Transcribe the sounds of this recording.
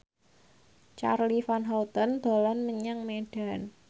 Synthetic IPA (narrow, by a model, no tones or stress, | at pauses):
t͡ʃa̰rlifanɦawt̪ɔnd̪̥o̤lanməɲaŋmeɖ̥a̤n